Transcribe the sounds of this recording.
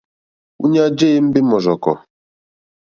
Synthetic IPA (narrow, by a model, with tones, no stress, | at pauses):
ṵ˦ɲa˦d͡ʒe˦m̩˦bɪ˦mɔ˨zɔ˨kɔ̰˨